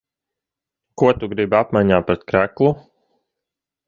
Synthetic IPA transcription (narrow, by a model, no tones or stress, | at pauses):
kuɔt̪uɡɾibapmajɲaːpɾɛt̪kɾæklˠu